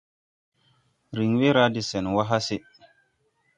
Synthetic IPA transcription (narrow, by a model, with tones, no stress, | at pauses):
ɾi˨ŋwe˦ɾa˦di˨se˨n˨wa˦ɦa˦si˦